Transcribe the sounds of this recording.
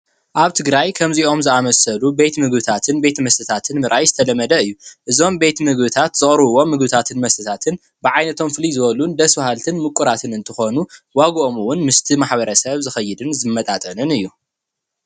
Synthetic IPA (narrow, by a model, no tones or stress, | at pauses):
ʔaβt̪ʰɨɡɾajkʰɐmziʔo̞mzɨamɐsɐlube̞t̪mɨɡbɨt̪ʰat̪ʰɨnbe̞t̪mɐst̪ʰɨt̪ʰat̪ʰɨnmɨɾʔajzɨt̪ʰɐlɐmːɐd̪ɐɨjːuʔɨzo̞mbe̞t̪mɨɡbɨt̪ʰat̪z̥ɨχʼɾɨβɨwo̞mɨɡbɨt̪ʰat̪ʰɨnmɐst̪ʰɨt̪ʰat̪ʰɨn | bɨʕajnɐt̪ʰo̞mfɨlizɨβɐlund̪ɐswahalt̪ʰɨnmɨkʼuɾat̪ʰɨnɨnt̪ʰɨxo̞nuwaɡʔo̞mɨwʊnmɨst̪ʰimaħβɐɾɐsɐβzɨxɐjːɪd̪ɨnzɨmːɐt̪ʼat̪ʼɐnɨnɨjːu